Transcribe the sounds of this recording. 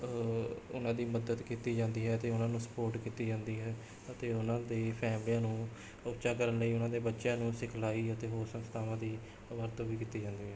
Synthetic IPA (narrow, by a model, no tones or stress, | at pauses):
ʊnãːd̪iːməd̪əd̪kiːt̪iːd͡ʒãːnd̪iːɦɛːət̪eːʊnãːnũːsə̥poːɾʈkiːt̪iːd͡ʒãːnd̪iːɦɛː | ət̪eːʊnãːd̪eːpʰɛːmlijãːnũː | ʊt͡ʃaːkəɾənləiːʊnãːd̪eːbətːʃjãːnũːsɪkʰlaːiːət̪eːɦoːɾsə̃nst̪ʰaːʋãːd̪iː | ʋəɾt̪oːʋiːkiːt̪iːd͡ʒãːnd̪iːɦɛː